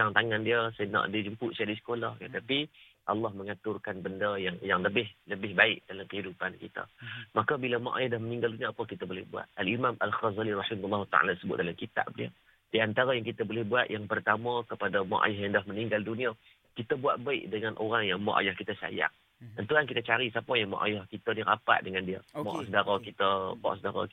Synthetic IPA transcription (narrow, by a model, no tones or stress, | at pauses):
taŋt̪aŋandiəsna̰ʔdid͡ʒəmpʊʔ̪siadisə̥kolahkant̪api | ʔɑlːɑhməŋat̪ʊrkanbəndəjaŋjaŋləbɪhləbɪhbaɪʔd̥alamkəɦidupankḭt̪ə̰makəbilama̰ʔa̰jahdahmənĩŋɡalduniaːpəkit̪əbolɛhbua̰t̪̚ʔalimamʔalxazaliɾɑħɪmlːɑɦut̪a̰ʕa̰lasəbʊt̪̚dalamkit̪a̰ʔdḭə̰ | diant̪aɾajaŋkit̪əbolɛhbuat̪jaŋpərt̪amakəpadama̰ʔa̰jaɦjaŋdahməniŋɡaldunia | kit̪əbuaʔ̪̚baɪʔdəŋanʔo̰ɾaŋjaŋmɔ̰ʔa̰jahkit̪əsa̰ja̰ŋ | t̪ənt̪uankit̪ət͡ʃaɾisapəjaŋma̰ʔa̰jahkit̪əniɾapa̰ʔdəŋandiə̰mɔ̰ʔsədaɾakit̪əmɔ̰ʔsədaɾa̰